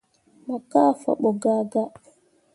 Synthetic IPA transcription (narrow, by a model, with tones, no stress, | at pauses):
ma˨ka˦fa̰˨ɓɔ˨ɡa˨ɡa˦